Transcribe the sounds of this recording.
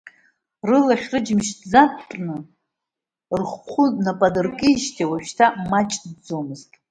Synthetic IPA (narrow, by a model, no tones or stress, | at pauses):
rɨlaχʲrɨd͡ʒmʃʰd͡zapʼnɨ | rχʷχʷʰunapʼadɨrkʼɨiʃtʰiwaʃtʰamat͡ʃʼd͡zo̞mɨztʼ